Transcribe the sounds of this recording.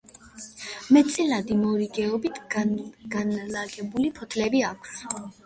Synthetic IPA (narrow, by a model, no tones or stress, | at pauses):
mɛt̪sʼilad̪imɔɾiɡɛɔbit̪ʰɡ̥anlaɡɛbulipʰɔt̪ʰlɛbiakʷʰs